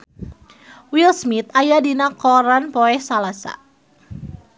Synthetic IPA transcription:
wilsmit̪̚ajadinakɔɾanpoɛhsalasa̰

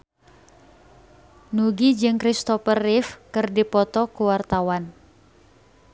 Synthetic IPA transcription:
nuɡid͡ʒɨŋkɾist̪ɔpərifkɨrdipɔt̪ɔkuwart̪awan

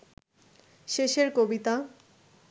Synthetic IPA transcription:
ʃeʃeɾkobit̪a

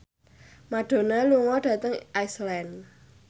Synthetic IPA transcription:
maɖ̥o̤naluŋɔɖ̥ä̤t̪əŋʔaislan

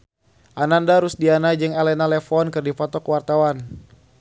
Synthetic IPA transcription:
ʔanandaɾusdianad͡ʒɨŋɛlɛnalɛfɔnkɨrdipɔt̪ɔkwart̪awan

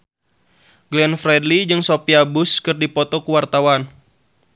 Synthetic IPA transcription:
ɡlɛnfɾɛdlid͡ʒɨŋsopiabuskɨrdipɔt̪ɔkuwart̪awan

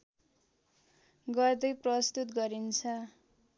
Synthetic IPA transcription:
ɡʌrd̪ʌjprʌst̪ut̪ɡʌɾint͡sʰʌ

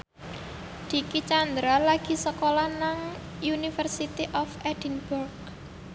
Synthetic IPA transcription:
d̪̥i̤kit͡ʃand̪ɾalaɡ̥i̤səkolanaŋjunifərsit̪iʔɔfʔɛd̪̥inburɡ

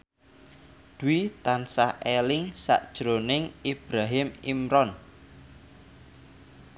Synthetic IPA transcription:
d̪̥uwit̪ansahelɪŋsa̰ʔd̥ʒ̥ɾonɪŋib̥ɾaɦɪmḭmɾɔn

